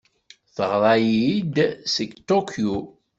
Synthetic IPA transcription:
θəʁɾˤɑjid̪səɡt̪okʰju

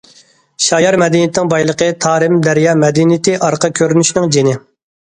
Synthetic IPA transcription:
ʃɑjɑɾmɛd̪inɪt̪ʰnɪŋbɑjlˠəqət̪ʰɑːɾɪmd̪æɾjɑːmɛd̪int̪ʰɪʔɑɾqʰɑkʲʰøɾynyʃnɪŋd͡ʒenɪ

